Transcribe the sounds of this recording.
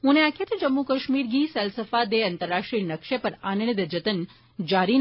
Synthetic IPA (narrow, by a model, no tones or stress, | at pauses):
ɦũneakʰet̪əd͡ʒəmːukəʃmiɾɡiːsɛlsəfad̪eɐnt̪əɾːaʂʈɾinəkʃepəɾanəɳ̃id̪əd͡ʒət̪ən | d͡ʒaɾin